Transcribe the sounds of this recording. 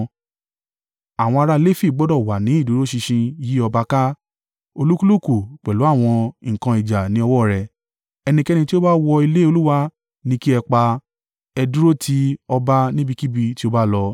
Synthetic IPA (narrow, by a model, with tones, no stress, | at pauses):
a˨w̃ɔ̃˧a˧ɾa˦le˦˨fi˦˨ɡ͡bɔ˨˦dɔ˦˨wa˨nĩ˨˦i˦˨du˨˦ɾo˦ʃi˧ʃĩ˧ji˦ɔ˧ba˧ka˦ | o˧lu˦ku˦lu˦˨ku˨k͡pɛ˨lu˨˦a˦˨w̃ɔ̃˧˨kã˧i˨d͡ʒa˨nĩ˨˦ɔ˧wɔ˦˨ɾɛ˨ | ɛ˧nĩ˧kɛ˦nĩ˧ti˦o˦ba˦wɔ˧i˧le˦o˧lu˦wa˦ | nĩ˦ki˦ɛ˧k͡pa˧ | ɛ˧du˦ɾo˦tʰi˨˦ɔ˧ba˦nĩ˦bi˦˧ki˦bi˧ti˦o˧ba˦lɔ˧